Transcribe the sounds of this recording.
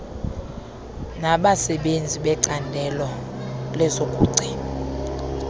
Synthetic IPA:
naɓasɛɓend͡zʱiɓɛǀandʱɛlɔlɛzokʼuːǀʱi

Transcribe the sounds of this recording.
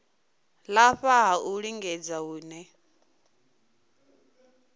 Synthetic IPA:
laɸaɦauɺiŋɡɛd͡zaɦuːnɛ

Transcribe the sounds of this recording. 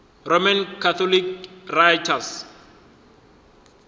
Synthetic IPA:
romankʰat̪ʰɔlikrajtʰas

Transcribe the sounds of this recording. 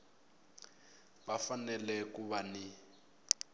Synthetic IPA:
bafanɛlɛkuβani

